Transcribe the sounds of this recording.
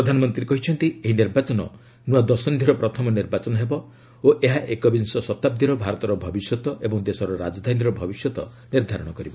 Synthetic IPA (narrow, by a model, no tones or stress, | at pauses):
ɾɔd̪ʱanɔmɔnt̪ɾiekɔɦit͡ʃʰɔnt̪ieɦiniɾbat͡ʃɔnɔ̰ | nuwad̪ɔsɔnd̪ʱiɾɔpɾɔt̪ʰɔmɔniɾbat͡ʃɔnɔɦebɔ | oʔeɦaʔekɔbinsɔsɔt̪ab̚d̪ʱiɾɔbʱaɾɔt̪ɔɾɔbʱɔbisjɔt̪ɔʔebɔŋd̪esɔɾɔɾad͡ʒɔd̪ʱaniɾɔbʱɔbisjɔt̪ɔ | niɾd̪ʱaɾɔɽ̃ɔkɔɾibɔ